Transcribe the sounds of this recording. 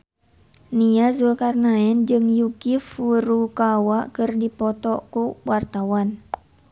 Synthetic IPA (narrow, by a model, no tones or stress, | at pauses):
niazəkarnaɛnd͡ʒɨŋjukifuɾukawakɨrdipɔt̪ɔkuwart̪awan